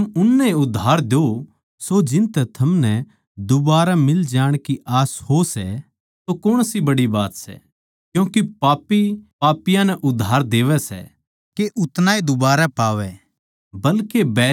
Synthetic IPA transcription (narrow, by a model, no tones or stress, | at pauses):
mʊnːɛiʊd̪ʱːaːɾd̪jo | sod͡ʒɪ̃nt̪ɛt̪ʰɐmnɛ | d̪ʊbaːɾamɪld͡ʒaːɽ̃kiʔaːshosɛ | t̪okʊɽ̃sibɐɽibaːt̪sɛ̰ | kjũːkepaːpipaːpɪjãnɛʔʊd̪ʱːaːɾd̪eːʋɛsɛ̰ | keʔʊt̪naːid̪ʊbaːɾapaːʋɛ | bɐlkebɛː